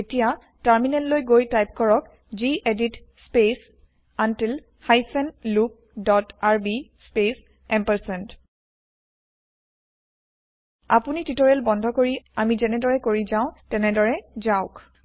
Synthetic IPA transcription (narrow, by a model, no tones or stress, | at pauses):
etija | taɹminɛntlojɡojtajp̚kɔɹɔk | ziʔeditspes | antil | hajsɛnluk̚ | dɔtaɹbispes | ɛmpɛɹsɛnt | a̰punititoɹɛlbɔndʱɔkoɹiamizɛnɛdɔɹɛkoɹizaʊ̃tɛnɛdɔɹɛzaʊk